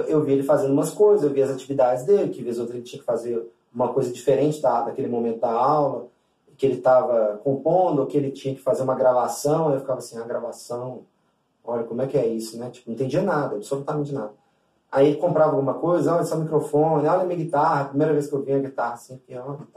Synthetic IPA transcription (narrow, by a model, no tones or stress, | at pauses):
ewvielɪfazẽnd̪ʊũmɐskojzɐzewviɐzat͡ʃivid̪ad͡ʒɪzd̪elɪkɪvezowt̪ɾelɪt͡ʃĩɲɐkɪ̥fazeɾ | ũmɐkojzɐd͡ʒifeɾẽnt͡ʃɪd̪ad̪ɐkelɪmomẽnt̪ʊd̪ɐawlɐ | ɪkɪelɪt̪avɐkõpõd̪ʊokɪelɪt͡ʃĩɲɐkɪ̥fazeɾũmɐɡɾavasɐ̃w̃ajewfi̥kavɐasĩaɡɾavasɐ̃w̃ | ɔʎɐkõmʊɛkɪɛisʊnɛt͡ʃi̥pʊnɐ̃t̪ẽɲd͡ʒiɐnad̪ɐabɪ̥solut̪amẽnt͡ʃɪnad̪ɐ | aielɪkõmpɾavɐawɡũmɐkojzɐɔɐsɔ̃mikɾofõnɪɔlɐmiɐɡit̪ahɐpɾimejɾɐveskɪewviɐɡit̪ahɐsẽʊkeɔl